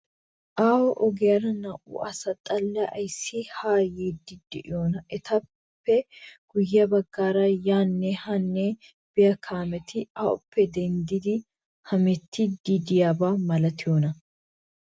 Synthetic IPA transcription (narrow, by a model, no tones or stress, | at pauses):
ʔaːwɔʔɔɡɛjɐɾɐnɐʔʊ̰ʔɐsɐt̪ʼɐlːɐʔɐjsːɪhaːjiːd̪ɪd̪ɛʔɪ̰joːnɐʔɛt̪ɐ | pːɛɡ̥ʊjːɐbɐɡːaːɾɐjaːnːɛhɐnːɛ | b̥ɪjɐkʰaːmɛt̪ʰɪaʔɔ̰pʰːɛd̪ɛnd̪ɪd̪ɪ | hɐmɛt̪ːɪd̪id̪ɪjaːbaːmɐlɐt̪ɪjoːnɐ